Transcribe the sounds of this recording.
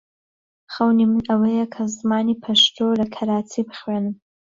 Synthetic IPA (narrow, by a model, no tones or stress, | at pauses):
χɐwnimɨnɐwejɛkʰɐzmaːnipʰɐʃt̪ʰolɐkʰɐɾaːt͡sʰibɨχwenɨm